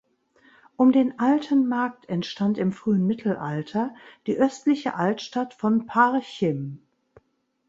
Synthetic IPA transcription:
ʔʊmdeːnʔaltʰənmaɐk̚tʰɛntʃtantɪmfʁ̥yːənmɪtʰl̩ʔaltʰɐd̥iːʔœstlɪçə̰ʔaltʃtatfɔnpʰaʁçɪm

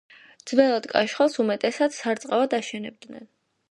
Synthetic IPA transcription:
d̪zvɛlˠad̪̥kʼa̰ʃχalˠsumɛt̪ʼɛsad̪saɾt̪sʼqʼavad̪aʃɛnɛb̚d̪nɛ̰n

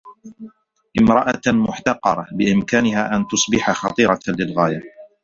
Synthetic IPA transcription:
ʔɪmɾˤɑʔamʊħt̪ɑqːɑɾˤɑbɪʔɪmkaːnɪhaːʔant̪ʊsˤbɪħaxɑt̪ˤɨːɾˤɑlɪlɣaːja

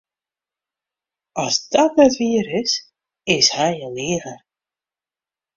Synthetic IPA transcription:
ast̪aðɛt̪viːɾɪs | ɪshajaliːɣaɾ

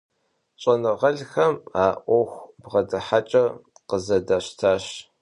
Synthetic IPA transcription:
ɕʼɐnɨʁɐɮxɐmaːʔʷɔxʷbʁɐdɐħat͡ʃʼɐ | qəzɐdaːɕtʰaːɕ

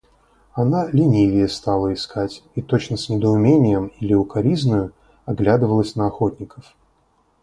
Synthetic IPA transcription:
ɐnalʲɪnʲivʲɪjəst̪alˠəɪskʰatʲit̪o̞t͡ɕnəsʲnʲɪd̪əʊmʲenʲɪjəmilʲɪʊkaɾʲiznʊjʊ | aɡlʲad̪ɨvəlˠəsʲnəɐxot̪ʲnʲɪkəf

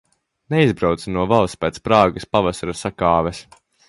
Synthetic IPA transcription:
neizbɾawt̪sinuɔvalˠspæt̪spɾaːɡaspavasaɾasakɑːvɛs

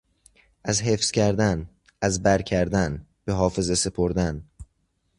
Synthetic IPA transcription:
ʔæzɦe̞fscʲʰæɾd̪æn | ʔæzbæɾcʰæɾd̪ænb̥e̞ɦɒːfe̞ze̞se̞pʰoɾd̪æn

